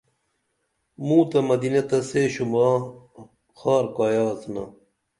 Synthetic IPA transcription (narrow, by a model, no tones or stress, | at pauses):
mũːt̪ɐmɐd̪inet̪ɐseɕumaː | xaːɾkaːjaːznɐ̰